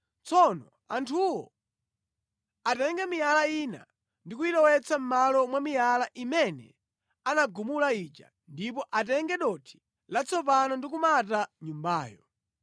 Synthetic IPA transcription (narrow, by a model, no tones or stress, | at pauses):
t͡sɔnɔ | antʰuwɔ̰ | atɛŋɡɛmijalaina̰ | ndik̬uitɔwɛt͡sam̩malɔmwamijalaʔimɛnɛ̰ | anaɡumulait͡ʃa̰ | ndipɔʔatɛŋɡɛɗɔtʰi̥ | lat͡sʰɔpanɔndik̬umataɲumbaːjɔ